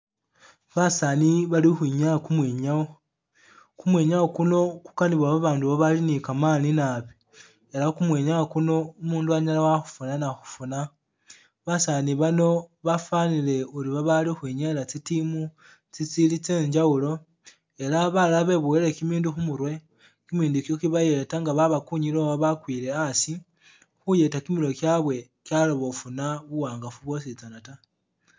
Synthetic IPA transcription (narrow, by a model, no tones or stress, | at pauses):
βasaniβalixwiɲakumweɲao | kumweːɲawokuno̞ku̥kaniβwaβaβaːnduβoβalinikamaːninaβi | e̞lakumweɲawakuno̞umuːnduaɲalawaxu̥funanaxu̥funa | βasaniβano̞βafanile̞uliβaβalixwiɲelat͡sitimu | t͡sit͡silit͡se̞ːɲd͡ʒaulo̞ | e̞laβalaβe̞βuwelekimiːnduxumuɾwe̞ | kimiːndukjo̞kiβaje̞taŋɡaβaβakuɲiloβaβakwiːle̞asi | xuje̞takimiɾo̞kjaβwe̞ | kjaloβo̞funaβuwaːŋɡafuβwo̞s̬it͡sanata